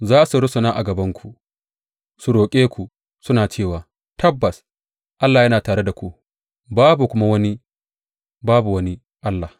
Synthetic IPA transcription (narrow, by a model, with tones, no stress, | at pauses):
zaː˦su˨ɽʊ˦sʊ˨naː˦ʔa˨ɡɐ˨bɐ˦ŋkʷʰu˨ | su˨ɽoː˨kʲʼeː˦kʷu˨ | sʊ˦naː˨t͡ʃeː˦˨waː˨ | tʰɐ˦bːɐ˨s | ʔa˦lːa˨jɐ˦naː˨taː˨ɾɽe˦da˨kʷu˨ | baː˦bu˨kʷʊ˦ma˦wɐ˦ni˦ | baː˦bu˨wɐ˦ni˦ | ʔa˦lːa˨